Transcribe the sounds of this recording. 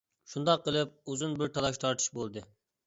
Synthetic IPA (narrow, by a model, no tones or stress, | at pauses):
ʃund̪ɑqːəlˠɪp̚uzunbɪɾt̪ʰɑlˠɑʃt̪ʰɑɾt̪ʰɨ̥ʃbolˠd̪ɨ